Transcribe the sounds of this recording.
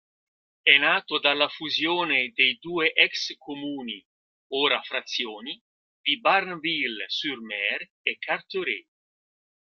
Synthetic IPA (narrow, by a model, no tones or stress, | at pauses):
ɛnaːt̪od̪alːafuzjoːned̪ejd̪uːeʔɛkskomuːni | oːɾafɾat̪sːjoːni | d̪̥ibarnvilsyɾmɛɾ | ekːaɾt̪oɾḛ